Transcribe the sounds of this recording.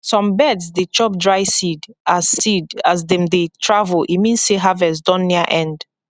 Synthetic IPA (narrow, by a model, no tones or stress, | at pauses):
sɔ̃mbɛdsdet͡ʃɔp̚dɹaɪsidazsidas̬dɛ̃mdetʰɹavəlʔḭmĩnsseɦavɛs̬dɔ̃nːiəʔɛ̃nd̥